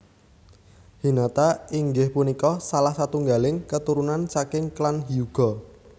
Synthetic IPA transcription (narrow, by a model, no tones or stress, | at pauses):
hinat̪aiŋɡɪhpunikɔsalahsat̪uŋɡalɪŋkət̪uɾunant͡ʃakɪŋklanɦiuɡ̥ɔ̤